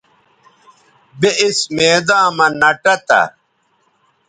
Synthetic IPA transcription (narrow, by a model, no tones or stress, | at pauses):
beʔismeːd̪ãːmɐnɐʈɐt̪ɐ̰ɾ